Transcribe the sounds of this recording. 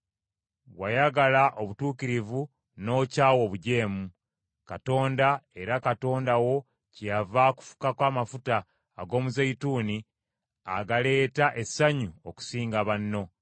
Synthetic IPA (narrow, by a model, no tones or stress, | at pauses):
wajaɡalaʔo̞βutuːkiɾivu | no̞ːcaːwo̞βuɟe̞ːmu | kato̞ːndae̞ɾakato̞ːndawo̞ | cjavaku̥fu̥kakwaːmafutaː | ɡo̞ːmuzaituːni | a̰ɡale̞ːtaʔesːaɲuoku̥siːŋɡaβanːo̞